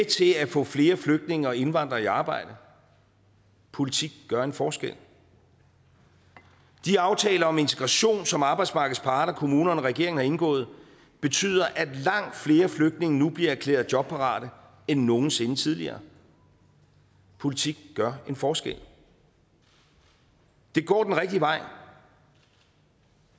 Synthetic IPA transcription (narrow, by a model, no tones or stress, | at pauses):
et͡sʰe̝æfɔ̰̽ːfle̝ːɐfløɡ̥̚d̥ne̝ŋɐe̝nʋɑ̈n̰d̥ʁɐiɑ̈ːb̥ɑ̈ɪ̰d̥ə | pʰo̝lit͡sʰiɡ̥ɡ̥ɶɐe̝nfɒːsɡ̥el | d̥iɑ̈ʊt͡sʰɛ̰ːlɐɒ̽me̝nt͡sʰe̥ɡ̥ʁɑ̈ɕo̝̰ːnsɒ̽mɑ̈ːb̥ɑ̈ɪd̥smɑ̈ːɡ̥ð̩ˠspʰɑ̈ːd̥ɐkʰo̝muːnɐnɒʁɛɡ̥e̝ɐ̰ŋ̩hɑ̈e̝nɡ̥ɔ̰̽ːð̩ˠ | b̥e̝t͡sʰy̰ːð̞ˠɐʔæd̥lɑ̈ŋ̰d̥fle̝ːɐfløɡ̥̚d̥ne̝ŋənub̥liɐæɐkʰlḛːɐðˠd͡ʑjɒ̽b̥̚pʰɑ̈ʁɑ̰̈ːɾ̥ə | enːo̝ːn̩se̝nət͡sʰið̞ˠliɐː | pʰo̝lit͡sʰiɡ̥ɡ̥ɶɐe̝nfɒːsɡ̥ḛl̰ | d̥e̝ɡ̥ɒ̰ːd̥enʁɛɡ̥̚d̥iʋɑ̈ɪ̰